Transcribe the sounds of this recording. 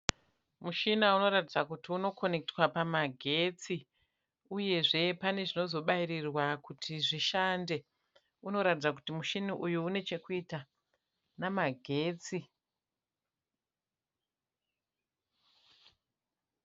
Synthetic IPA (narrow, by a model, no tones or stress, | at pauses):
muʃinauno̞ratid͡zakutiuno̞kʰo̞ne̞ktwapamaɡʱe̞t͡si | uje̞ʐe̞pane̞ʐino̞zo̞ɓaiɾirwakutʰiʐiʃande̞ | uno̞ɾatid͡zak̬utimuʃiniʔujuːne̞t͡ʃe̞kuita | namaɡʱe̞ːt͡si